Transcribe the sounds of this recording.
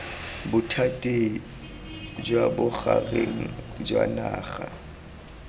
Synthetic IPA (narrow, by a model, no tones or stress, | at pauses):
bʊtʰatʼi | d͡ʒwabʊχareŋ̩ | d͡ʒwa̰naːχa